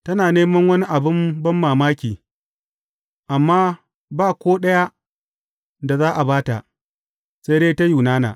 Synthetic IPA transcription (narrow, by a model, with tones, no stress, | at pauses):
tɐ˦naː˨neː˦mɐ˦ŋwɐ˦ni˦ʔa˨bɪ˦mbɐ˦mːaː˨maː˦kʲiː˨ | ʔa˨mːaː˦ | baː˦˨kʷoː˦ɗɐ˦ja˦ | da˨zaː˦ʔa˨baː˦ta̰˨ʔ | sa˦deː˦ta˦juː˨naː˦na̰ː˨